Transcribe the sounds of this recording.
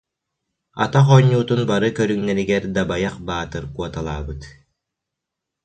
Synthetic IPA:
a̰t̪aχɔɲːuːt̪unbaɾɯkœɾyŋnɛɾiɡɛɾd̪abajaχbaːt̪ɯɾkuɔt̪alˠa̰ːbɯt̪

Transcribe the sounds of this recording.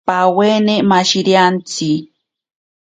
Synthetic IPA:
pawenemaʃiɾjant͡si

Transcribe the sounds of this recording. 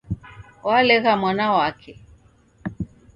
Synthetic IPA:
walɛɣamwanawakʰɛ

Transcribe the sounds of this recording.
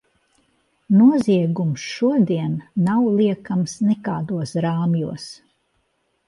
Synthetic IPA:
nuɔziɛɡumsʃuɔd̪iɛnːawlˠiɛkamsnɛkaːd̪uɔsɾaːmjṵɔs

